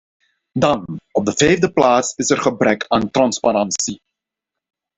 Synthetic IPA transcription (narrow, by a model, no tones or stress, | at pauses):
dɑnɔb̚dəvɛjvdəplaːtsɪsɛrχəbrɛkʰaːntrɑnspaɾɑnsi